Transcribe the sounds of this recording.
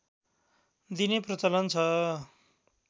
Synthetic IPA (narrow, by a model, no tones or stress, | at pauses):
d̪ineprʌt͡sʌlʌnt͡sʰʌ